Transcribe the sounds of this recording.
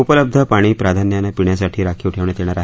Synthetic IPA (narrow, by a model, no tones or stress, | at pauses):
upələb̚d̪ʱəpaɽ̃iːpɾad̪ʱanjanːapiɳjasaʈʰiːɾakʰiuʈʰeʋɳ̃et̪eɽ̃aɾaɦ